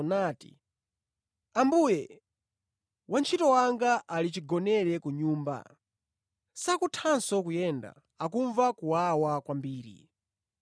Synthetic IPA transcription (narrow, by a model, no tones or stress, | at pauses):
naːti̥̰ | ambujɛ | want͡ʃʰitɔwaŋɡaʔalit͡ʃiɡɔnɛɾɛkuɲuːmba̰ | sakutʰansɔkujɛnda̰ | akuɱvakuwawakwambiːɾḭ